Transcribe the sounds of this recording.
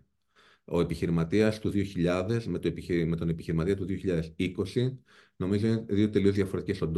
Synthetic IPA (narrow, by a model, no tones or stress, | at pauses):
o̞e̞piçiɾimɐt̪iɐst̪uðio̞çiʎɐðe̞zmet̪oepme̞t̪o̞nepiçiɾimɐt̪iɐt̪uðioçiʎɐðe̞siko̞si | no̞mizoðio̞t̪e̞lio̞zðʝɐfo̞ɾe̞t̪icesond̪